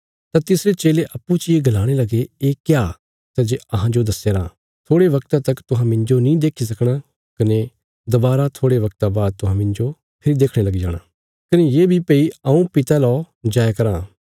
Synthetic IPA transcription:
t̪ãt̪ɪsɾet͡ʃeːleʔɐpːut͡ʃieɡɐlaːɽ̃elɐɡeːkjaː | t̪ad͡ʒeɐɦãd͡ʒod̪ɐsːeɾãː | t̪ʰoːɽeʋɐkt̪at̪ɐkt̪ʊɦãmɪ̃ɲd͡ʒonĩːd̪eːkʰis̬ɐkʰɽ̃a | kɐne | d̪ɐbaːɾat̪ʰoːɽeʋɐk̚t̪abaːd̪̚t̪ʊɦãmɪ̃nd͡ʒo | pʰɪɾid̪eːkʰɽ̃elɐɡid͡ʒa̰ːɽ̃aː | kɐnejeːbʱipeːiɐũpɪt̪alɔː | d͡ʒaːjkɐɾãː

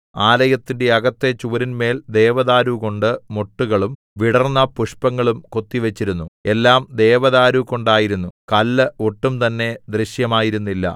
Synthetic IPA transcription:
aːlɐjɐt̪ːinde̞ɐɡɐt̪ːe̞t͡ɕuːɾinme̞ːld̪e̞ːʋɐðaːɾuko̞ɳɖɨmo̞ʈːuɣɐɭum | ʋiɽɐrnːɐpuʂpɐŋːɐɭumko̞t̪ːiʋet͡ɕːiɾunːue̞lːaːmd̪e̞ːʋɐðaːɾuko̞ɳɖaːjiɾunːukɐlːɨo̞ʈːumt̪ɐnːe̞d̪riɕjɐmaːjiɾunːilːɐ̰

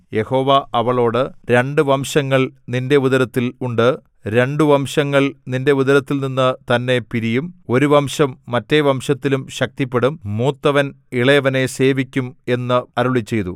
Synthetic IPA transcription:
je̞ho̞ːʋɐʔɐʋɐɭo̞ːɽɨɾe̞ɳɖɨʋɐmʂɐŋːɐɭninde̞uðɐɾɐt̪ːiluɳɖɨ | ɾe̞ɳɖuʋɐmʂɐŋːɐɭninde̞uðɐɾɐt̪ːilninːɨt̪ɐnːe̞piɾijumo̞ɾuʋɐmɕɐmːɐtːe̞ʋɐmʂɐt̪ːilumɕɐk̚t̪ipːe̞ɽumːuːt̪ːɐʋɐn | iɭɐjɐʋɐne̞se̞ːʋikʲːume̞nːɨɐɾuɭit͡ɕːe̞jt̪u

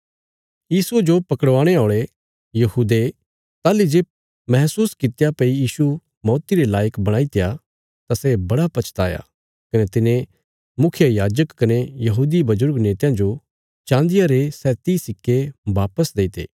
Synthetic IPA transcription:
jiːsued͡ʒopɐkəɽʋãːɽ̃eoːɭe | jɐɦuːd̪e | t̪aːlid͡ʒeːb̚ | mɐɦsuːskɪt̪japɐijiːsu | mɔːt̪iɾelaːjəkbɐɽ̃ãːit̪eja | t̪asɛbɐɽapɐt͡ʃʰt̪aːja̰ | kɐnet̪ɪnẽ | mʊkʰɪjəjaːd͡ʒəkːɐnejɐɦuːd̪ibɐzʊɾɡneːt̪jãd͡ʒo | t͡ʃãːnd̪ɪjaɾesɛːt̪isɪkːeʋaːpəsd̪eːt̪ḛː

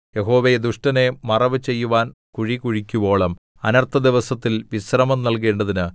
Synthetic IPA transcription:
je̞ɦo̞ːʋejed̪uʂʈɐne̞mɐrɐʋɨt͡ɕe̞jːuʋaːnkuɻikuɻikʲːubo̞ːɭɐm | ɐnɐrt̪ʰːɐd̪iʋɐsɐt̪ːilʋisrɐmɐmnɐlk̬e̞ːɳɖɐðinɨ

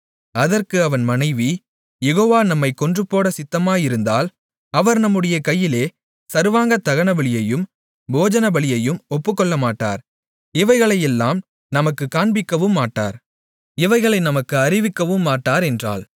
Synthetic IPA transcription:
ɐðɐrkɯɐʋɐnmɐnɐɪʋi | jɛɣoːʋaːnɐmːɐɪkːɔndrɯpːoːɽɐsɪt̪ːɐmaːjɪɾɯnd̪aːl | ɐʋɐɾnɐmːɯɽɐjɐkɐjːɪleː | sɐɾʋaːŋɡɐt̪ːɐɣɐɳɐbɐɭɪjɐjɯm | boːd͡ʒɐnɐbɐɭɪjɐjɯmɔpːɯkːɔɭːɐmaːʈːa̰ːɾ | ɪʋɐɪɣɐɭɐjɛlːaːm | nɐmɐkːɯkːaːɳbɪkːɐʋɯmːaːʈːa̰ːɾ | ɪʋɐɪɣɐɭɐɪnɐmɐkːɯɐɾɪʋɪkːɐʋɯmːaːʈːaːɾɛndra̰ːl

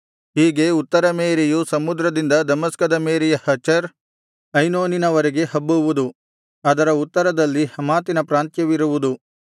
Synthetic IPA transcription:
hiːɡe̞ut̪ːɐɾɐmeːɾejusɐmud̪ɾɐd̪ind̪ɐd̪ɐmɐskɐd̪ɐmeːɾɛjɐhɐt͡ʃɐɾ | ɐjnoːninɐʋɐɾeɡe̞hɐbːuʋud̪u | ɐd̪ɐɾɐut̪ːɐɾɐd̪ɐlːihɐmaːt̪inɐpɾaːnt̪jɐʋiɾuʋud̪u

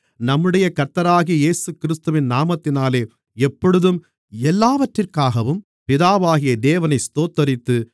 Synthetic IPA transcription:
nɐmːɯɽɐjɐkɐɾt̪ːɐɾaːɣieːsɯkɪɾɪst̪ɯʋɪnnaːmɐt̪ːɪnaːleː | ɛpːɔɽɯðɯm | ɛlːaːʋɐʈrɪrkaːɣɐʋɯm | pɪðaːʋaːɣɪjɐd̪eːʋɐnɐɪst̪oːt̪ːɐɾɪt̪ːɯ

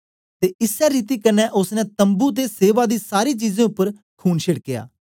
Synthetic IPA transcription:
t̪eːʔɪsɛːɾiːt̪iːkənːɛːʔʊsnɛ̃ːt̪əmbuːt̪̬eːseːʋaːd̪iːsaːɾiːt͡ʃiːzẽːʊpːəɾ | kʰuːnʃɪɽkɪja̰ː

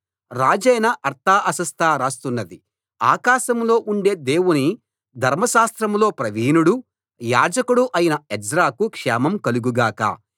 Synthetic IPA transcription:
ɾaːd͡ʒɛjnɐʔɐɾt̪ʰaːʔɐsɐst̪ʰaːɾaːst̪unːɐd̪i | a̰ːkaːʃɐmlo̞ːʔuɳɖe̞ːd̪eːwuni | d̪ʱɐɾmɐʃaːst̪ɾɐmlo̞ːpɾɐʋiːnuɽu | jaːd͡ʒɐkuɽuʔɐjinɐɛd͡ʒɾaːkukʂɛːmɐmkɐluɡuɡaːka̰ː

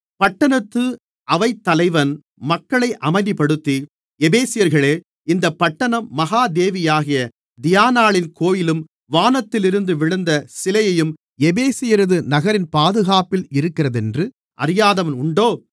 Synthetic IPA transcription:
pɐʈːɐnɐt̪ːɯ | ʔɐʋɐɪt̪ːɐlɐɪʋɐn | mɐkːɐɭɐɪʔɐmɐɪðipɐɽɯt̪ːi | ɛbeːsɪjɐɾɣɐɭeː | ɪnd̪ɐpːɐʈːɐnɐmːɐɣaːd̪eːʋɪjaːɣɪjɐ | d̪ɪjaːnaːɭɪnkoːjɪlɯm | ʋaːnɐt̪ːɪlɪɾɯnd̪ɯʋɪɻɐnd̪ɐsɪlɐjɐjɯm | ɛbeːsɪjɐɾɯðɯnɐɣɐɾɪnpaːðɯɣaːpɪlɪɾɯkːɪrɐðɛndrɯ | ʔɐ̰ɾɪjaːðɐʋnʊɳɖoː

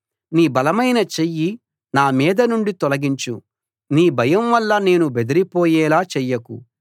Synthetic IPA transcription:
niːbɐlɐmɐjnɐt͡ʃejːi | naːmɛːd̪ɐnuɳɖit̪ɔlɐɡiɲt͡ʃu | niːbʱɐjɐmʋɐlːɐne̞ːnubed̪iɾipɔːjɛːlaːt͡ʃɛjːɐkṵ

